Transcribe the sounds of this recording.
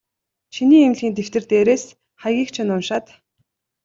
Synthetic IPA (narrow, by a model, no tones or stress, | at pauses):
ʃiniːemɮɣʲiːnt̪ew̥t̪ɘ̆rt̪eːɾeːs | χajɣʲiːxt͡ɕʰɪ̆nʊnʃaːt̪